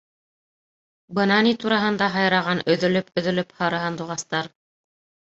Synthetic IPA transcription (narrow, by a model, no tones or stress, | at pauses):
bɤ̆nɑnit̪uɾɑɦɤ̆nd̪ɑɦɑjɾɑʁɑnɵ̆ðɵ̆lɵpɵ̆ðɵ̆lɵphɑɾɤ̆ɦɤnd̪uʁɑst̪ɑɾ